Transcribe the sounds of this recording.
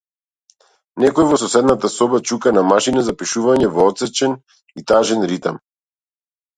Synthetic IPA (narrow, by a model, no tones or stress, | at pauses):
nɛkɔjvɔsɔsɛd̪nat̪asɔbat͡ʃukanamaʃinazapiʃuvaɲɛvɔɔt̪sɛt͡ʃɛn | it̪aʒɛnɾit̪am